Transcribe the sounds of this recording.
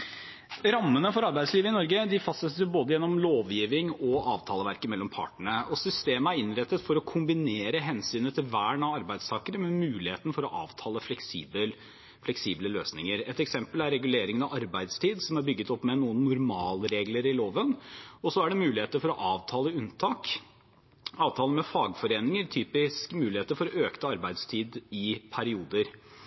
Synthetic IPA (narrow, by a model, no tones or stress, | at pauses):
ɾɑmːənəfɔɾɑɾbæɪd̪sliːʋəɪnɔɾɡəd̪ɪfɑsəsjʊboːd̪əjɛnːɔmloːʋjiːʋɪŋɔɑːʋt̪ʰɑːləʋæɾkəmɛlːɔmpʰɑ̰ːʈəɳəɔsʏst̪eːməæɾɪnɾɛt̪ːət̪fɔɾɔkʰʊmbɪneːɾəɦɛnsyːnət̪ʰɪlʋæːɳɑʋɑɾbæɪd̪st̪ʰɑːkəɾəmɛmʉːlɪheːt̪nəfɔɾɔʔɑ̰ːʋt̪ʰɑːləflɛksiːbə | flɛksiːbləløːsnɪŋəɾɛt̪ɛksɛmpəlæɾːɛɡʉleːɾɪŋənɑʋɑɾbæɪd̪st̪ʰiːd̪sɔmæɾbʏɡːət̪ɔpːmɛnuːənːʊɾmɑːlɾeːɡləɾɪloːʋənɔsɔæɖɛmʉːlɪheːt̪əfɔɾɔʔɑːʋt̪ʰɑːləʉnt̪ʰɑːk | ɑːʋt̪ʰɑːlnmɛfɑːɡfɔɾeːnɪŋəɾt̪ʰyːpɪskmʉːlɪheːt̪əɾfɔɾɔøːkt̪əɑɾbæɪd̪st̪ʰiːd̪ɪpʰæɾɪuːd̪əɾ